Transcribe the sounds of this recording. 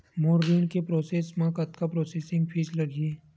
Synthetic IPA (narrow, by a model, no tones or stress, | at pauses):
moːɾʋiːɳkepɾoːseːsmãkɐt̪kapɾoːseːsɪ̃ŋɡpʰiːd͡ʒlɐɡʱiː